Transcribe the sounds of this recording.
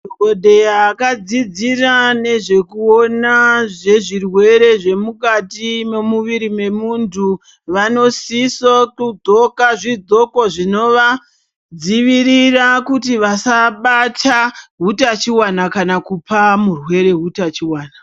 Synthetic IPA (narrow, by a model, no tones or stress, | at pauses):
ɡodʱe̞jaːkad͡zid͡zirane̞ʐe̞kuo̞naʐe̞ʐirwe̞ɾe̞ʐe̞mukatime̞muʋiɾime̞muntʰu | ʋano̞sisokud͡zo̞kaʐid͡zo̞ko̞ʐino̞ʋa | d͡ziʋiɾirakutiʋasaɓatʰaɦutat͡ʃiwanakanakupamurwe̞ɾe̞ɦutat͡ʃiwaːna